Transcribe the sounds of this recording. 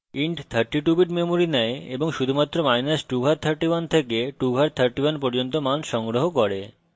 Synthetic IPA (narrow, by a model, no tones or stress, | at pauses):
iɳʈt̪ʰəɾʈːiʈubiʈmemoɾinɛeeboŋʃud̪ʱumat̪ːɾomajnasʈubʱaɾt̪ʰəɾʈibant̪ʰekeʈubʱaɾt̪ʰəɾʈibanpɔɾd͡ʑont̪omanʃɔŋɡɾoɦokoɾe